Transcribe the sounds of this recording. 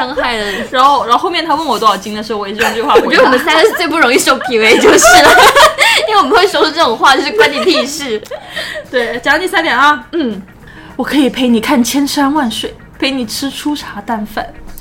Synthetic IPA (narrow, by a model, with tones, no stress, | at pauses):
ʂɤ˧˥ŋxa˨˩ɪd̪ə˦ʂ̩˧˥xo˥˧ʊɻa˧˥xo˥˧xo˥˧mjɛ˥˩nt̪ʰwə˥˩nwt̪o˥jɑ˨˩t͡ɕi˥ŋd̪ə˨˩ʂ̩˧˥o˥˧˩we˧˥˧t͡ɕxwa˥˩˨t͡ɕɥd̪wɔ˨˩ə˦˥a˥ʂɻ̩˥˧˩t͡swe˥˧ɪp̬u˥˩ɻo˧˥ŋi˥˧ʂo˥˩ʊpʰi˨˩we˧˥ɪt͡ɕjo˥˧ʊʂɻ̩˥˩ | i˥we˥˩˧wɔ˨˩mə˦nxwe˥˩ɪʂo˥ʊdo˧ʈ͡ʂɤ˥˩ʈ͡ʂʊ˨˩ŋxwa˥˧t͡ɕo˥˧ʊʂɻ̩˥˧˩wa˥ni˨˩pi˥˩ʂɻ̩˥˩t̪we˥˩ɪt͡ɕɑ˧˥ŋɑ˥t̪i˥˩sa˥nt̪jɛ˨˩nɐ˧˩n̩˥˩ | wɔ˨˩kʰɤ˧˥i˨˩pʰe˧˥ɪni˨˩kʰa˥˩nt͡ɕʰjɛ˥nʂa˥nwa˥˧nʂwe˨˩ɪpʰe˧˥ɪni˨˩ʈ͡ʂʰɻ̩˥ʈ͡ʂʰu˥ʈ͡ʂʰa˧˥t̪a˥˧nfa˥˩n